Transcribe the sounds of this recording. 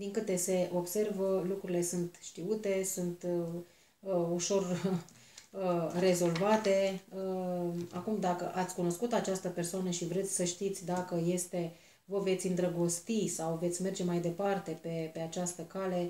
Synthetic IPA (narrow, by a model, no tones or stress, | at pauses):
d̪iŋkɨt̪e̞se̞ʔo̞bse̞rvəlukɾuɾile̞sunt̪ʃt̪iut̪e̞sunt̪ | əuʃo̞r | re̞zo̞lvat̪e̞əakumd̪akəʔat̪sʲkuno̞skut̪at͡ʃast̪əpe̞rsoanəʃivɾe̞t̪sʲsəʃt̪it̪sʲd̪akəje̞st̪e̞ | vəve̞t̪sʲɨnd̪ɾəɡost̪isawve̞t̪sʲme̞rd͡ʒe̞majd̪e̞part̪e̞pe̞pe̞at͡ʃast̪əkale̞